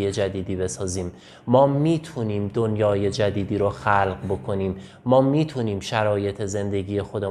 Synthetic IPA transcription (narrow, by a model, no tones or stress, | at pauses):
jed͡ʒæd̪iːd̪iːbe̞sɒːziːmː | ɒːmiːt̪ʰuniːmd̪o̞njɒːje̞d͡ʒæd̪iːd̪iːɾoxælɢbo̞kʰo̞niːmː | ɒːmiːt̪ʰuniːmʃæɾɒːje̞t̪ʰe̞ze̞nd̪e̞ɟiːje̞xod̪e